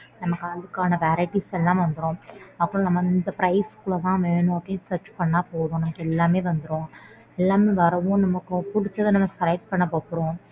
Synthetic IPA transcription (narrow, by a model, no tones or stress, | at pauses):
nɐmɐkːɯɐðɯkːaːnɐʋɛɾɐɪʈisɛlːãːmʋɐnd̪ɯɾõːɐpːɯɽõnɐmːɐɪnd̪ɐpɾɐɪskʊɭɐt̪ãːʋeːnõɐʈːɪsɐːɾt͡ʃpɐɳːaːpoːðõːnɐmɐkːɛlːaːmeːʋɐnd̪ɯɾõː | ɛlːaːmeːʋɐɾɐʋõnɐmːɐkːɯpʊɽɪt͡ʃːɐðɯnɐmːɐsɐɾɐɪʈ̚pɐɳːɐpoːpːɯɾõː